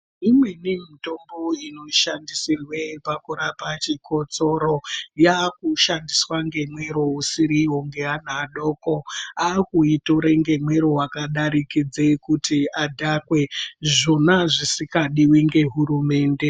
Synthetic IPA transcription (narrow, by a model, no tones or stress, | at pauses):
imwe̞nimito̞mbo̞ino̞ʃandisirwe̞pakuɾapat͡ʃiko̞t͡so̞ɾo̞jakuʃandiswaŋɡe̞mwe̞ɾo̞usiɾiwo̞ŋɡe̞anaːɗo̞ːko̞akuito̞ɾeŋɡe̞mweɾoɦwakaɗaɾikid͡zekutiadʱakwe̞ʐo̞naʐisikaɗiwiŋɡe̞ɦuɾume̞ːnde̞